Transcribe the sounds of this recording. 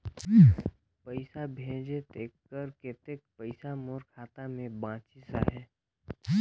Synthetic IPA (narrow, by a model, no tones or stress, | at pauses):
pəɪsabʱẽːd͡ʒet̪eːkːəɾket̪eːk̚pəɪsamoːɾkʰaːt̪amẽbãːt͡ʃisa̰ɦɛː